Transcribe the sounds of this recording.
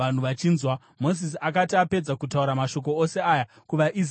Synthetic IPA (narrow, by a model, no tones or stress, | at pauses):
an̤uʋat͡ʃiːnzwa | mo̞zis̬iakatiape̞d͡zakutauɾamaʃo̞k̬o̞ose̞aːja | kuʋaʔiz